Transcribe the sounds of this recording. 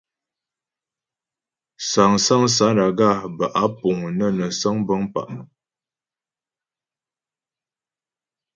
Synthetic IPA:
sa˨ŋsa˦ŋsa˨˦da˨ɡa˦˨bə˨ʔa˨˦pu˨ŋnə˦˨nə˨sə˦ŋbə˦ŋpa̰˨ʔ

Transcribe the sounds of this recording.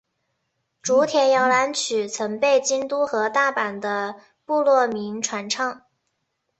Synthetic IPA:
ʈ͡ʂu˧˥t̪ʰjɛ˨˩njɑ˥˩ʊla˧˥nt͡ɕʰy˨˩t͡sʰə˧˥npe˥˩ɪt͡ɕi˥nt̪u˥xɤ˧˥t̪a˥˩pa˨˩nd̪ə˦ | pu˥˧lwɔ˥˩mi˧˥ŋʈ͡ʂʰwa˧˥nʈ͡ʂʰɑ˥ŋ

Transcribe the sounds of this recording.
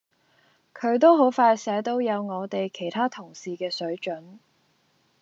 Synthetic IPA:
kʰɵ˨˧˥ɥt̪̬o˥wɦo˨˥wfaː˧jsɛː˨˥t̪o˥wjɐ˨˧wŋɔː˨˧t̪e˨jkʰe˨˩jt̪ʰaː˥t̪ʰʊ˨˩ŋsiː˨kɛː˧sɵ˨˥ɥt͡ʃɵ˨˥n

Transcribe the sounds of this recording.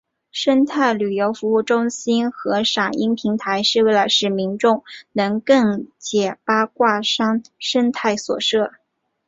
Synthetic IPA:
ʂə˥nt̪ʰa˥˩ɪly˨˩jo˧˥ʊfu˧˥u˥˩ʈ͡ʂʊ˥ŋɕi˥nxɤ˧˥ʂɑ˨˩ŋi˥ŋpʰi˧˥ŋt̪ʰa˧˥ɪʂɻ̩˥˧we˥˩ɪla˧˥ɪʂɻ̩˥˩mi˧˥nʈ͡ʂʊ˥˩ŋnɤ˧˥ŋkɤ˥˩ŋt͡ɕjɛ˨˩pa˥kwa˥˩ʂɑ˥ŋʂə˥nt̪ʰa˥˩ɪswɔ̰˨˩ʂɤ˥˩

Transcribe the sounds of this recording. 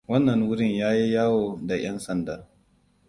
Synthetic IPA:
wɐ˦nːɐ˨ŋwʊ˦ɽɪ˦ɲjaː˦ji˦jaː˦woː˨da˨j̰ɐ˦nsɐ˨nda˨

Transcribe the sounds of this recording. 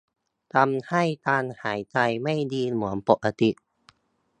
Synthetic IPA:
t̪a˧mha˥˩jt̪aː˧nhaː˩˦jt͡ɕa˧jma˥˩jdiː˧mu˨˩˦ənpo˨˩ʔa˧t̪i˧˩ʔ

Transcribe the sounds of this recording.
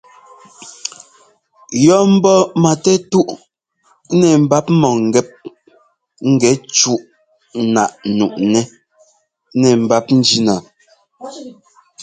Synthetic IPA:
jɔ˦m̩˦bɔ˦ma˨tɛ˦tu˦ʔ | nɛ˨m̩˨ba˦p̩̚˦mɔ˨ŋ̩˨ɡɛ˦p̚ | ŋ̩˦ɡɛ˨˦t͡ʃu˦ʔ | na˨ʔnu˨ʔnɛ˦ | nɛ˨m̩˨ba˦p̚n̩˦d͡ʒi˦na˨

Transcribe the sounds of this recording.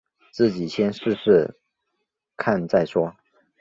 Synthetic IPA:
t͡sɹ̩˥˩t͡ɕi˨˩ɕʰjɛ˥nʂɻ̩˥˧ʂɻ̩˥˧ | kʰa˥˧nt͡sa˥˩ɪʂwɔ˥

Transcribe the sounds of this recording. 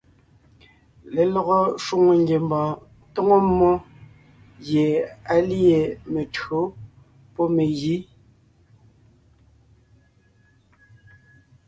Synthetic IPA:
le˨lɔ˨ɣɔ˦ʃwu˦ŋo˨ŋɡe˨mbɔ̃ː˨ | to˦ŋo˦mːɔ˦ | ɣje˨a˨lje˨me˨tɰo˨˦ | pɔ˦me˨ɣi˨˦

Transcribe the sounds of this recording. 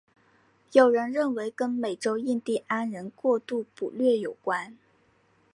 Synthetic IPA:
jo˨˩ʊɻə˧˥nɻə˥˩nwe˧˥ɪkə˥nme˨˩ɪʈ͡ʂo˥ʊi˥˧nt̪i˥˩ʔa˥nɻə˧˥nkwɔ˥˧t̪u˥˩pu˨˩lɥɛ˥˩jo˨˩ʊkwa˥n

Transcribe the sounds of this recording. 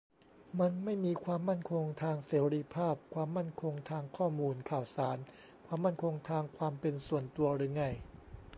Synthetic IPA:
ma˧nma˥˩jmiː˧kʰwaː˧mːa˥˩nkʰo˧ŋt̪ʰaː˧ŋseː˩˦ɾi˧˥pʰaː˥˩p̚kʰwaː˧mːa˥˩nkʰo˧ŋt̪ʰaː˧ŋkʰɔː˥˩muː˧nkʰaː˨˩wsaː˩˦n | kʰwaː˧mːa˥˩nkʰo˧ŋt̪ʰaː˧ŋkʰwaː˧mpe˧nsu˨˩ənt̪u˧ɐɾɯː˧ŋa˧˥˩j

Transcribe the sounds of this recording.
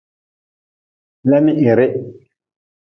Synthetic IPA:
lɛ˦mɪ˦ʔɪ˨ɾɪ˦ʔ

